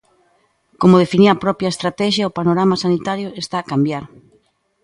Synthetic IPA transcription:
komʊðefiniapɾɔpjɐest̪ɾat̪ɛʃjaopanoɾamasanit̪aɾjʊest̪aːkambjaɾ

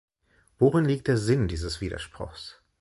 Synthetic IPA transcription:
v̥oʁɪnliːk̚td̥eːɐzɪndiːzəsv̥iːdɐ̰ʃpʁ̥ʊ̰xs

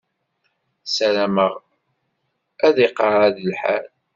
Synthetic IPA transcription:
sælæməʁ | æðiqɑɾˤæðəlħæ̰l

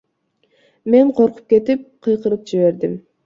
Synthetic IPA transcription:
me̞ɴqʰo̞ɾqu̥p̚ke̞t̪ip̚qʰɨjqɯɾɯp̚d͡ʒiβe̞ɾd̪im

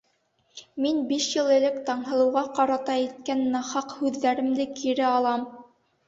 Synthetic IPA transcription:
minbiʃjɤlˠɘ̆lɘkt̪ɑɴɦɤ̆lˠɤ̆wʁɑqɑɾɑt̪ɑit̪̚kænːɑχɑqhʉðːæɾɘ̆md̪ɘkiɾɘɑlˠɑm

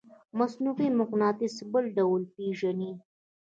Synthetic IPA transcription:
masnufemʊqnɑːt̪ɪsbəlɖawlpeʒani

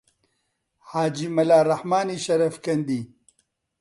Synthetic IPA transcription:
haːd͡ʒimɐlaːɾɐhmaːniʃɐɾɐfkɐnd̪i

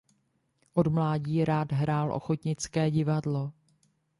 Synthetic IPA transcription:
ʔo̞dmlaːɟiːɾaːdɦɾaːlʔo̞̰xot̪ɲɪt͡skɛːɟɪvadlo̞

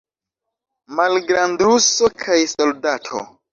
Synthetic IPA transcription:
malɡɾandɾuso̞kʰajsoldatʰo̰

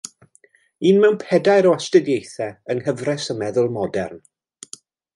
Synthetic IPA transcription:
iːnmɛwnpʰɛdajɾɔastədjejθɛənhəvrɛsəmɛðʊlˠmɔdɛ̰rn

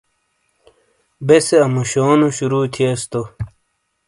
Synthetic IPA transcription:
beseɐmuɕoːnuɕuɾuːt̪ʰiest̪o

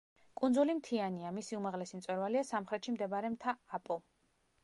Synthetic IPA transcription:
kʼund̪zulimt̪ʰianiamisiumaʁlɛsimt̪sʼwɛɾvaliasamχɾɛt̪ʃimd̪ɛbaɾɛmt̪ʰaːpʼɔ

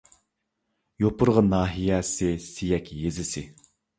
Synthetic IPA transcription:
jopʰʊɾʁɑnɑːɦijɛsɪsijɛkʲjezɪsɪ

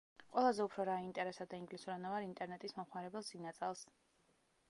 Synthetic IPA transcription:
qʼwɛlˠazɛupʰɾɔɾaint̪ʼɛɾɛsad̪aiŋɡlisuɾanavaɾiint̪ʼɛɾnɛt̪ʼismɔmχmaɾɛbɛlˠzinat̪sʼɛlˠs

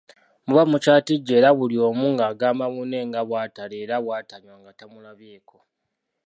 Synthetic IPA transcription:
muβamut͡ʃaːtiɟːe̞ːɾaβulio̞ːmuːŋɡaːɡaːmbaβune̞ːŋɡaβwaːtaleːɾaβwaːtaɲwaŋɡatamulaβje̞ːko̞

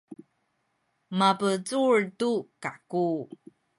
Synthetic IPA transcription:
mapət͡suɹtukaku

